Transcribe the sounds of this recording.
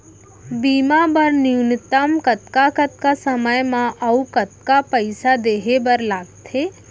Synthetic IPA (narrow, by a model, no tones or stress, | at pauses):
biːmabəɾniʊnɪt̪əmkɐt̪kakət̪kasəməjmãʔɐukət̪kapəɪsad̪eːɦebɐɾlaːɡt̪ʰeː